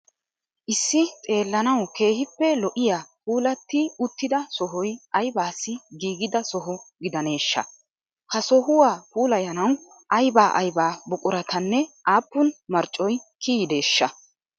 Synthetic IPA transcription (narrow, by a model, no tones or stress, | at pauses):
ʔɪsːɪtʼe̞ːlːɐnɐwke̞ːhɪpːɛlɔʔɪjaːpuːlɐt̪ːɪʊt̪ːɪd̪ɐsɔɦɔjʔɐjbaːsːɪɡiːɡɪd̪ɐsɔɦɔɡɪd̪ɐne̞ːʃːɐ̰ | hɐsɔɦʊwaːpuːlɐjɐnɐw | ʔɐjbaːʔɐjbaːbʊkʼʊɾɐt̪ʰɐnːɛʔaːpːʊnmɐɾt͡ʃʼːɔjkʰiːjd̪e̞ːʃːɐ